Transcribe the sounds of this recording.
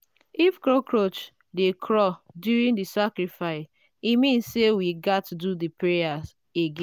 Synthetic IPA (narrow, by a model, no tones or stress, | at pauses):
ifkɾokʰɾot͡ʃ | dekʰɾɔ | djuɾĩndisakɾifaɪs | imĩnssewiɡatududipɹejaz | eɡẽ